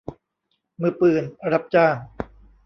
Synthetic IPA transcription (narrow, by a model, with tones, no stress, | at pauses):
mɯː˧˩pɯː˨˩nɾa˦˥p̚t͡ɕaː˥˩ŋ